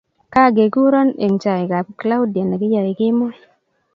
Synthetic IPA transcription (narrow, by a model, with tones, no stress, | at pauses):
ka˦˨ɡe˨ɡu˦ɾɔ˦ne˨ŋt͡ʃa˨ɪ˨ka˨kla˦wda˨na˨ɡɪ˦ja˨ɪ˨ɡɪ˦mɔ˦